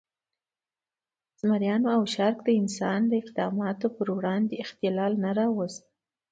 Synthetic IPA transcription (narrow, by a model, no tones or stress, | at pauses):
z̥maɾjɑnoawʃaɾkd̪əɪnsɑnd̪əɪqd̪ɑmɑt̪opəɾwɽɑnd̪eɪxt̪ɪlɑlnaɾɑwəz